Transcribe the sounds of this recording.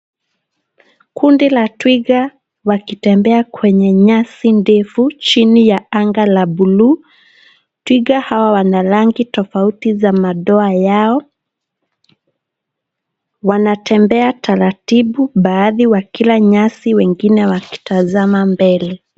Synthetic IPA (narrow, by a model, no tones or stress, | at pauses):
kʰundilatwiɡa | wakitɛmbɛakwɛɲɛɲasindɛfut͡ʃinijaaŋɡalaɓulu | twiɡahawawanalaŋɡitɔfautizamaɗɔajaɔ | wanatɛmbɛatʰaɾatiɓuɓaːðiwakilaɲasiwɛŋɡinɛwaki̥tazamambɛlɛ